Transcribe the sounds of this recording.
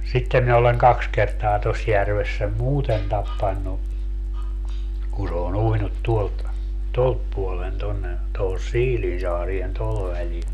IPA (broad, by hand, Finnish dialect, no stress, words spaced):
sitːem mi oleŋ kɑks kertɑː tos jærʋes sem muːten tɑpːɑnːu kun̞ se on uinut tuolt tolt puolen tonːe tohos siːlinsɑːrien toho ʋælil